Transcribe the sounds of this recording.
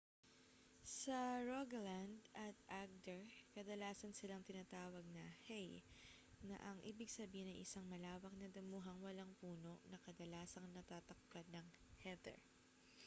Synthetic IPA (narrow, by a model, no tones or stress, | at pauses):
sɐɹoɡland̪ɐt̪̚ʔaɡ̚d̪ɛɹkɐd̪ɐlaːsɐnsɪlaŋt̪ɪnaːt̪aːwɐɡ̚nɐhɛj | nɐ̰ʔɐŋʔiːbɪɡsɐbiːhɪnɐjʔɪsaŋmɐlaːwɐk̚nɐd̪ɐmuːɦɐŋwɐlaŋpuːno̞ʔnɐkɐd̪ɐlaːsɐŋnɐt̪aːt̪ɐk̚pad̪̚nɐŋhɛd̪ɛ̰ɹ